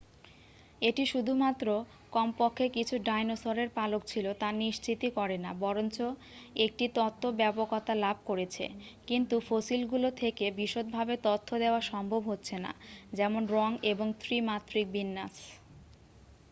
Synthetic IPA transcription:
eʈiʃud̪ʱumat̪ːɾo | kɔmpokʰːekit͡ɕʰuɖajnosoɾeɾpalok̚t͡ɕʰilot̪aniʃt͡ɕit̪ikɔɾena̰bɔɾont͡ɕo | ek̚ʈit̪ɔt̪ʰːobɛpokɔt̪alabʱkoɾet͡ɕʰḛkint̪ufosilɡulot̪ʰekebiʃot̪̚bʱabet̪ot̪ʰːod̪eoaɾʃɔmbʱobɦotːɕʰena̰d͡ʑɛmonɾɔŋeboŋt̪ʰɾimat̪ːɾik̚binːas

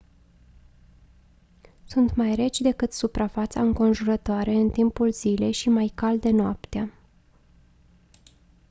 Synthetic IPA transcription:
sunt̪majre̞t͡ʃʲd̪e̞kɨt̪supɾafat̪sa̰ɨŋko̞nʒuɾət̪oaɾe̞ɨnt̪impulz̥ile̞jʃimajkald̪e̞noapt̪ea

